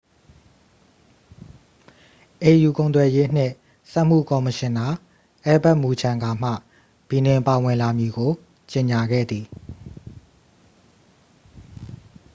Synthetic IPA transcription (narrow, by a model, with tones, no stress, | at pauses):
ʔe˨ju˨kõ˨ʊ̃nt̪wɛ˨je˦n̥ɪ̰̃˦˨ | sɛ˦ʔm̥ṵ˦˨kɔ˨mə˨ʃɪ̃˨na˨ | ʔɛ˦bɛ˦ʔmu˨d͡ʑʰã˨ŋɡa˨m̥ä̰˦˨ | b̥i˨nɪ̃˨mpa˨wɪ̃˨la˨mji˨ɡo˨ | t͡ɕe˨ɲa˨ɡɛ̰˦˨d̪ði˨